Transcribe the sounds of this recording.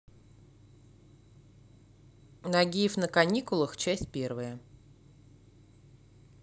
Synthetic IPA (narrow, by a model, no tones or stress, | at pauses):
nɐɡʲijəfnəkɐnʲikʊlˠəxt͡ɕæsʲt̚ʲpʲervəjə